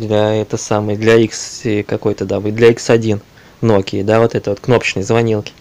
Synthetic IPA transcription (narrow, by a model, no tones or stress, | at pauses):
d̪lʲɐɛt̪əsaməjəd̪lʲɐiksɪkɐko̞jt̪əd̪avod̪lʲɐiksɐdʲin | nokʲijəd̪avo̞t̪ɛt̪əvo̞t̪kno̞pə̥t͡ɕnəjzvɐnʲilˠkʲɪ̥